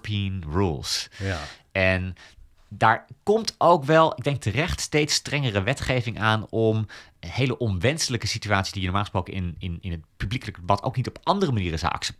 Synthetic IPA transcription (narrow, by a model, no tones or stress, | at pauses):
piənrṵlˠs | ɛn | daːɹkɔmtʰowkʋɛlˠɪɡ̚dɛŋk̚tərɛχtstejtstrɛŋərəʋɛtχejvɪŋʔaːnɔmhejləʔɔnʋɛnsələkəsityaːtsi̥sdijənoɔɹmaːlχəsprowkənɪnɪnɪnətpyblikələkdəbɑtʰo̰wknitɔpɑndərəmaniːrəza̰ʔɑ̰ksɛ̥p̚